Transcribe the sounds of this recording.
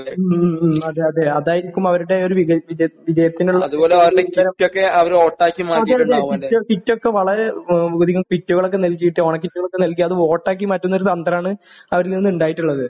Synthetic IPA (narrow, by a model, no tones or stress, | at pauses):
ɐðeɐðeɐðaːjiɾikʲːumɐʋɐɾuɽe̞oɾuʋiɐʋid͡ʑʋid͡ʑɐjɐt̪ːinuɭːɐɐðubo̞ːleɐʋɐɾɽeiɐɾɐmtːokːe̞ɐʋɐɾo̞ːʈːaːkːimaːɐðeðeiokitːo̞kːe̞ʋɐɭɐɾɡoðiɣɐmkitːuɣɐɭokːenɐlkːujiʈːɨoːɳɐkːitːuɣɐɭokːenɐlkʲːuɐðɨo̞ːʈːaːk̬ːimɐtːonːoɾusɐnd̪ɐraːɳɨɐʋɐɾilninːuɳɖaːjiʈːuɭːɐðɨ